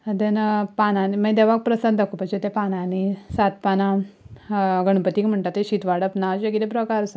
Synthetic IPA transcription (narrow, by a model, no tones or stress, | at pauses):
əd̪enəpanãniməjd̪eʋak̚pɾəsənd̪əkupət͡ɕet̪epananisat̪̚pana | ɡəɳ̃pət̪iːkm̤əɳʈ̪at̪ːeɕit̪ʋaɽəpnat͡ɕekit̪epɾəkaɾsa